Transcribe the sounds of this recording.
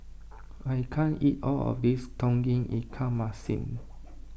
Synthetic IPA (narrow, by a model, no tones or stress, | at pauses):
ajkʰãnitɔlɔ̰fdistʰɔ̃ŋɡĩŋḭkʰãmasḭ̃n